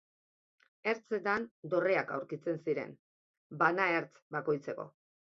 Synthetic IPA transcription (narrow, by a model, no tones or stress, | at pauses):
e̞ɾt͡set̪and̪o̞reaka̰wɾkit͡se̞nsiɾe̞̰n | banaeɾt͡sbako̞jt͡se̞ko̞̰